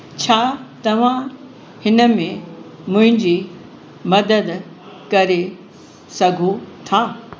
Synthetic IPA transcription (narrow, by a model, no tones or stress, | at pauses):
t͡ɕʰaːt̪ɐʋ̤ã | hɪnə̆mẽ | mʊ̃ɦɪ̃ɲd͡ʑiː | mɐd̪əd̪ | kɐɾe | sɐɡʱot̪ʰaː